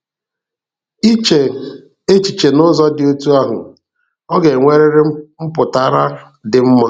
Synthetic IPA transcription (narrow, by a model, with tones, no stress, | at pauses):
e˦t͡ʃi˨t͡ʃe˨nʊ˦zɔ˦dɪ˨o˦tu˦a˦ɦʊ̰˨ | ɔ˦ɡe˨ŋʷe˦ɾɪ˦ɾɪ˦m̩˦pʊ˨ta˨˦ɾa˦ | dɪ˨m̩˦ma˦